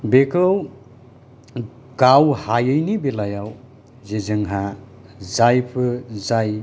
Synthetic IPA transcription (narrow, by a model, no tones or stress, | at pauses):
bekʰɯw | ɡ̥awhajɯjnibelajaw | zezɯŋɦa | zajpʰɯzaj